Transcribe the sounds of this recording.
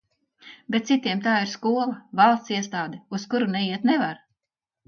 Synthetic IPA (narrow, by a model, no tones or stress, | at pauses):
bɛt̪t̪sit̪iɛmt̪aːiɾskuɔlˠavalˠst̪siɛst̪aːd̪ɛuskuɾunɛiɛt̪nɛvaɾ